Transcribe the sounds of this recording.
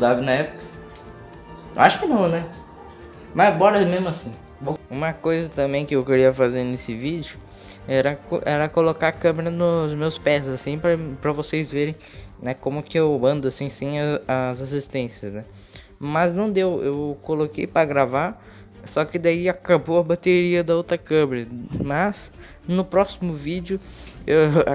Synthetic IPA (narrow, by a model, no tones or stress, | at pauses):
d̪abɪnɐɛpʊkɐ | aʃʊ̥kɪnɐ̃w̃nɛ | mɐbɔɾɐmezmʊasĩ | boũmɐkojzɐt̪ɐ̃mbẽj̃kɪewkɪɾiɐfazeɾnesɪvid͡ʒʊ | ɛɾɐkoʔɛɾɐkolokakɐ̃meɾɐnʊzmewspɛzasĩpɾɐpɾɐvosejzveɾẽj̃nɛkõmʊkɪewmɐ̃nd̪ʊasĩsĩɐɐzas̬ist̪ẽsiɐznɛ | mɐznɐ̃w̃d̪ewewkolokejpɾɐɡɾavaɾ | sɔkɪd̪aiakabowɐbat̪eɾiɐd̪ɐowt̪ɾɐkɐ̃meɾɐmɐs | nʊpɾɔsimʊvid͡ʒʊew